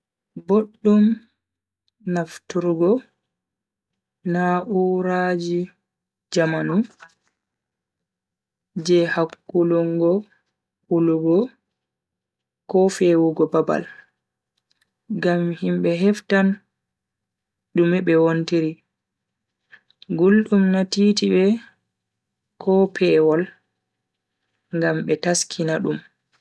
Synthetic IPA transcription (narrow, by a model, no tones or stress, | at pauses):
boɗːum | naftuɾɡɔ | naʔuɾad͡ʒi | d͡ʒamanu | d͡ʒɛhakːulɔŋɡɔ | uluɡɔ | kɔfewuɡɔbaba̰l | ɡamhimɓɛɦɛftan | ɗumɛɓɛwontiɾi | ɡulɗumnatiːtiɓɛ | kʰɔpʰɛwɔl | ŋɡamɓɛtaskʰinaɗum